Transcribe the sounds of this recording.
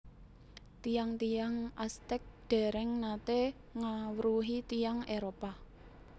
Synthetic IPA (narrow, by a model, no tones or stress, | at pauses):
t̪ijaŋt̪ijaŋast̪ɛk̚ɖ̪̥ɛ̤ɾɛŋnat̪e | ŋawɾuɦit̪ijaŋeɾopa